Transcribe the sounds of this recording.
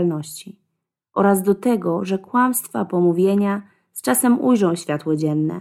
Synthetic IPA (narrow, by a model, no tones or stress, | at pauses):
lnɔɕt͡ɕi | ʔɔɾazd̪ɔt̪ɛɡɔʐɛkwamst̪fa̰pɔmuvʲjeɲa | st͡ʂasɛmujʐɔ̃w̃ɕfʲjat̪wɔd͡ʑɛnːɛ̰